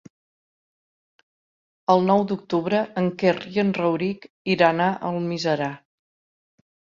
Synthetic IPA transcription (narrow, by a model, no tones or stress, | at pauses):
əlˠnɔwd̪uk̚t̪uβɾəəŋkeriənrəwɾik | iɾanaʔəlˠmizəɾa